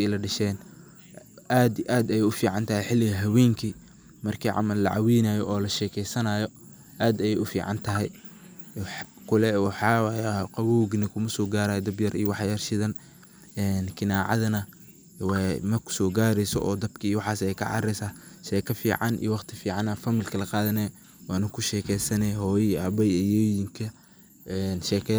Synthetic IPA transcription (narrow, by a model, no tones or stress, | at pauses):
jlɐɖɐʃɛːn | ʔaːd̪ʔaːd̪ɐjɛjʊfiːʕɑnt̪ʰɐɦɛjħɪlːɪɣɐɦɐwɛːŋkʰiː | mɐrkʰiːʕɑ̰mɐlːɐ̰ʕɑ̰winaːjɔʔɔːlɐʃɛːkʰɛjsɐnaːjɔ | ʔaːd̪ɐjɛjʊfḭːʕɑ̰nt̪ʰɐɦɛj | ħ | kʰʊlɛwɑħɑːwjqɑwuːɡnɐkʰʊmɐsɔːɡaːɾaːjɔd̪ɐbjɐrʔijwɑħjɐrʃɪðɐn | ɛːnkʰɪnaːʕɑ̰ðɐnɐ | wmɐrkʰʊ̥sɔːɡaːɾɛjsɔ̰ʔɔːd̪ɐbkʰɐjwɑħɑːsɛjkʰɐ̰ʕɑ̰ɾɛjsaːʃɛːkʰɐfḭːʕɑnḭjwɑχt̪ʰɪfiːʕɑnɐfɐmilkʰɐlɐqɑːðɐnɛjɔ | wɑːnɐkʰʊʃɛːkʰɛjsɐnɛɦɔːjʔɐbɐjɛjɔjɪŋkʰɐ | ɛnʃɛːkʰɛ